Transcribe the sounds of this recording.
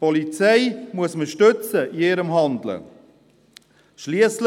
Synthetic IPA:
pɔlit͡sɛɪmuəsməʃtɵt͡səʔiɪɾəmɦɑnd̪lə̰ | ʃliəsl

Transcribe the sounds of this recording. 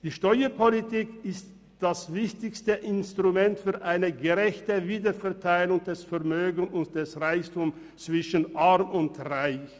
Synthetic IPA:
d̥iːʃtɔʏəpʰolitiːkɪst | d̥asvɪçtɪçstəʔɪnstʁ̥umɛntfyːɐʔaɪnəɡəʁɛçtəviːdɐfɛɐtʰaɪlʊŋd̥ɛsfɛɐmøːɡənʊnt̚d̥ɛsʁaɪçtʊm | t͡sv̥ɪʃənʔaʁmʊntʁaɪç

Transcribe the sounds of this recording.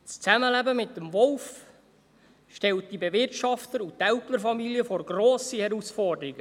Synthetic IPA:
st͡sæməlæbəmɪtːəmvɔlf | ʃtɛlt̚dibevɪrtʃɑft̪əɾutæltləɾfɑmiliəfoɾɡɾɔːsihɛɾusfɔrdəɾiɡə

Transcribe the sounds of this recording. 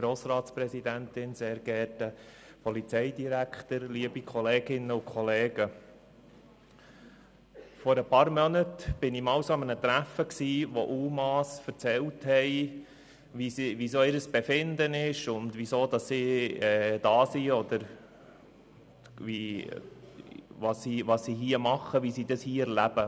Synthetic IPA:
ɡ̥ɾoːsɾɑːtspɾɛsid̪ænt̪ɪnseːɾɡ̥ɛtə | pʰɔlit͡sɛɪdiɾækχt̪əɾliəbikʰχɔleːɡɪnːəʊkʰχɔleːɡ̥ə | fɔɾəpɑːɾmœnətb̥ɪnimɑwsɑmənət̪ɾæfəksiːʋoʔuːmɑːsfəɾt͡sɛlthɛɪ | ʋisʋisoːɪɾəsb̥efɪnd̪ənɪʃʊndʋisoːd̪ɑsːiːɛːd̥ɑːsiɔd̪əɾ | ʋi | ʋɑssiʋɑssiɦiəmɑχːəʋisidɑshiːɛɾlæb̥ə

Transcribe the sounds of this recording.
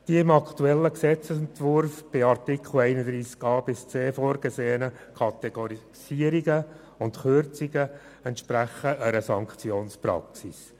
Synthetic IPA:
d̥iəɪmɑkt̪uɛlːəksɛt͡səsɛnt̪ʋʊɾfb̥ɪɑɾtikχl̩ɛɪnəd̪ɾiːskɑːbɪst͡seːfoːɾɡ̥əseːənəkʰɑt̪ɛɡ̥oɾi | siəɾiɡə | ʊntχʏɾt͡siɡə | ɛntʃpɾæχəʔəɾəsɑŋkt͡sjoːnspɾɑ̰ksis

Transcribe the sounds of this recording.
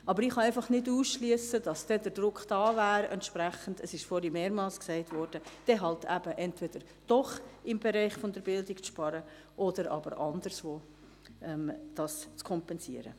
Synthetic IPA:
ɑbəɾɪχɑɛɪfɑχnɪduːsʃliəsəd̥ɑsd̥ɛdəɾd̥ɾʊkχd̥ɑːvæːɾɛ̰ntʃpɾæχəndəsɪʃfɔːɾimeːɾmɑlsksɛɪtvɔrɾd̥əd̥ɛɦɑltæb̥əʔɛntvɛd̥əɾ | d̥ɔχɪmbɛɾɛɪχfɔndəɾbɪldɪkt͡sʃpɑɾə | ʔɔdəɾɑ̰bəɾʔɑnd̥əɾsvoː | ɛmd̥ɑst͡skʰɔmpɛnsiəɾə̰

